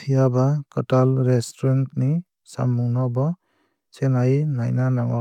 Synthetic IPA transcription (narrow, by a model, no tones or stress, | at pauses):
pʰijabakɔtalɾestɔɾantni | sa̰mːuŋnabɔ | senajnajnanaŋwa